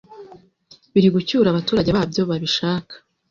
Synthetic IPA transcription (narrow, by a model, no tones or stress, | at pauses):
βiɾiɡucuɾaβatuːɾaɟeβaabjo̞βaβiʃaːkʰḁ